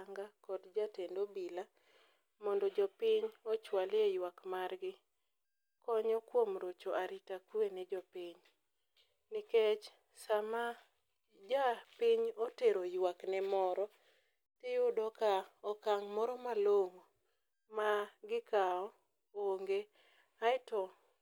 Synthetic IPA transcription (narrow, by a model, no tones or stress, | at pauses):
ŋɡakɔdd͡ʒatendobila | mɔndɔd͡ʒɔpɪɲɔt͡ʃwalejwakmarɡɪ | kɔɲɔkwomɾot͡ʃoʔaɾitakwenɪd͡ʒɔpɪɲ | nɪket͡ʃ | sama | d͡ʒapɪɲoteɾojwaknɛmɔɾɔ | tɪjʊdɔkaɔkaŋmɔɾɔmaloŋo | maɡɪkaɔ | oŋɡe | aɪtɔ